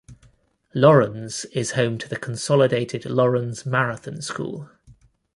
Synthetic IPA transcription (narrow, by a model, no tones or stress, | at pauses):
lɒɹə̃nsɪz̥hə̃ʊ̃mtʰəðəkʰə̃nsɒlɪdeɪtʰɪdlɒɹə̃nz̥maɹəθə̃nskṵːlˠ